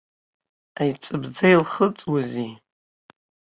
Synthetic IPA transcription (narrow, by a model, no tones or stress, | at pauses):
ajt͡sʼɨbd͡zajlχət͡sʼwazi